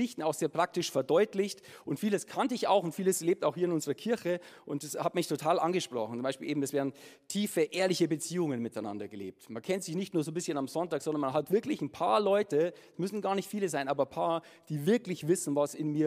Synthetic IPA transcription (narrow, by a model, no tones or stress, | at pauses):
ɪçtn̩aʊxz̥eːɐpʁ̥ak̚tɪʃfɛɐdɔʏtlɪçtʔʊntfiːləskʰantəɪça̰ʊxʊntfiːləsleːp̚taʊxhiːɐɪnʊnzəʁɐkʰɪɐçə | ʔʊntashatmɪçtʰotʰaːlʔa̰nɡəʃpʁ̥ɔ̰χn̩t͡sʊmbaɪʃpiːleːm̩ɛsv̥ɛːɐdn̩tʰiːfəʔeːɐlɪçəbət͡siːʊŋənmɪtaɪna̰ndɐɡəlḛːp̚tmankʰɛntz̥ɪçnɪçtnuːɐzoːbɪsçənamzɔntaːkzɔndɐnmanɦatv̥ɪɐklɪçn̩pʰaːɐlɔʏtə | smʏsn̩ɡaːɐnɪçtfiːləzaɪnʔaːbɐpʰaːɐ | d̥iːvɪɐklɪçv̥ɪsn̩vasɪnmiːɐ